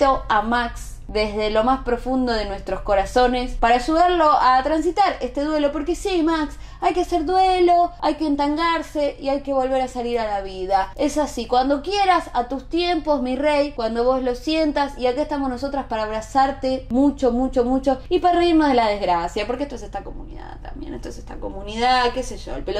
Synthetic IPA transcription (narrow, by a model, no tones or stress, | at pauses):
oamaks | d̪ezðe̞lo̞maspɾo̞fund̪o̞ðe̞nwe̞st̪ɾo̞sko̞ɾaso̞ne̞spaɾaʃuðaɾlo̞ʔat̪ɾansit̪aɾest̪eðwe̞lo̞po̞ɾke̞simaks | ajkeaseɾðwelo̞ajkeːnt̪aŋɡaɾse̞iajke̞βo̞lβe̞ɾasaliɾalaβiðae̞sasikwand̪o̞kjeɾasat̪ust̪jempo̞zmirejkwand̪o̞βo̞zlo̞sje̞nt̪asiakeest̪amono̞so̞t̪ɾaspaɾaːβ̞ɾasaɾt̪emut͡ʃo̞mut͡ʃo̞mut͡ʃo̞ipaɾareiɾnozðelaðe̞zɣɾasjapoɾkest̪oesest̪ako̞mṵnḭða̰ðt̪a̰mbjḛnet̪oesest̪a̰ko̞muniðakeseʒoḛlpelo